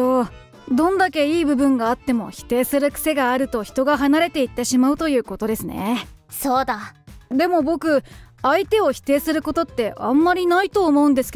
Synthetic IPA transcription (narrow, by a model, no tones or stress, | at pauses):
oː | d̪õ̞nd̪ake̞iːbɯ̟bɯ̟̃ŋɡaːt̪ːe̞mo̞̰çi̥t̪e̞ːsɨɾɯ̟kɯ̟̥se̞ɡaːɾɯ̟t̪o̞çi̥t̪o̞ɡaɦanaɾe̞t̪e̞it̪ːe̞ɕimaɯ̟t̪o̞jɯ̟ːko̞t̪o̞d̪e̞sɨne̞ | soːd̪ad̪e̞mo̞bo̞kɯ̟ait̪e̞o̞çi̥t̪e̞ːsɨɾɯ̟ko̞t̪o̞t̪ːe̞ʔã̰mːaɾʲinait̪o̞ːmo̞ɯ̟̃nd̪e̞sɨ̥k